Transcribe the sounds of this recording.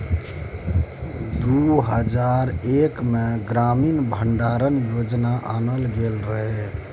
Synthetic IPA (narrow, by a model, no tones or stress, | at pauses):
d̪uɦəd͡ʒaɾekmeɡɾaminbʱəɳɖaɾənjod͡ʒnaʔanəlɡelɾəɦe